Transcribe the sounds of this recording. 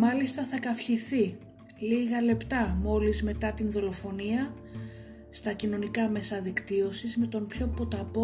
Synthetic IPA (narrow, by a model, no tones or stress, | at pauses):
mɐlist̪ɐθɐkɐfçiθi | liɣɐle̞pt̪ɐmo̞lizme̞t̪ɐt̪inðo̞lo̞fo̞niɐ | st̪ɐcino̞nikɐme̞sɐðikt̪io̞sizme̞t̪o̞mpço̞po̞t̪ɐpo